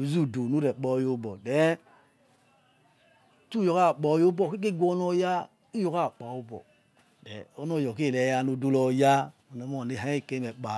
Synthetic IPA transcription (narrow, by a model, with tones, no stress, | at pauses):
u˨˦zu˦˨do˨nu˦ɾɛ˨k͡pɔ˦˨jo˦bɔ˨dɛ˨˦ | tu˦jɔ˨ka˦˨k͡pɔ˨jo˦bɔ˦˨ki˦k̬e˦˨ɡʷɔ˦nɔ˦ja˦ | u˦jo˨ka˦˨k͡pa˨o˦bɔ̰˨ | dɛ̰˨ɔ˦nɔ˦˨jɔ˨ke˦˨lɛ˨ja˨no˨do˦lɔ˨ja˦ | o˨nɛ˨˦m˦ɔ˨ne˨ɦa˨˦e˦˨ke˦mɛ˨k͡pa˨